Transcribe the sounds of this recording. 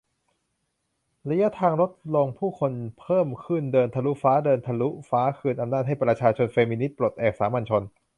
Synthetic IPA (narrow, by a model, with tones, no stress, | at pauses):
la˧ja˦˥t̪ʰaː˧ŋɾo˦˥t̪̚lo˧ŋpʰuː˥˩kʰo˧npʰɤː˥˩mkʰɯ˥˩ndɤː˧nt̪ʰa˧lu˦˥faː˦˥dɤː˧nt̪ʰa˧lu˦˥faː˦˥kʰɯː˧nʔa˧mnaː˥˩t̪̚ha˥˩jpɾa˧t͡ɕʰaː˧t͡ɕʰo˧nfeː˧miː˧ni˦˥t̪̚pɾo˨˩t̪̚ʔɛː˨˩k̚saː˩˦ma˧nt͡ɕʰo˧n